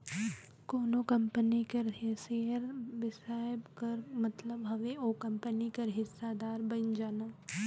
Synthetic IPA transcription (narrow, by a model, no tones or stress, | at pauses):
koːnokɐmpənikɐɾɦeseːəɾʋɪsaːəbkɐɾmɐt̪ləbɦɐʋeoːkɐ̃mpənikɐɾɦɪsːad̪aːɾbɐnd͡ʒaːnaː